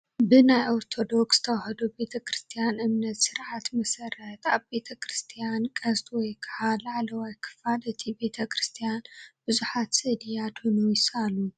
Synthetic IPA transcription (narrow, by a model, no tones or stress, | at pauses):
bɨnajʔoɾt̪ʰo̞d̪o̞ksz̥ɨ̥t̪ʰɐwahɐd̪ube̞t̪ʰɐkʰɾɨst̪ʰijanʔɨmnɐt̪sɨɾʕat̪mɐsɐɾɐt̪aβbe̞t̪ʰɐkʰɾɨst̪ʰijankʼɐzt̪ʰʼwɔjkʰɐʕalaʕlɐwajkʰɨ̥falʔɨt̪ʰibe̞t̪ʰɐkʰɾɨst̪ʰijanb̥ɨzuħat̪sɨd̪ijad̪honujɪsalu